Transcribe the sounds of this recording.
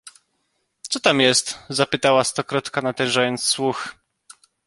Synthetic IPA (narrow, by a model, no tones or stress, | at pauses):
t̪sɔt̪amjɛst̪zapɘt̪awast̪ɔkɾɔt̪kanat̪ɛ̃ñʐajɔnt̪sswux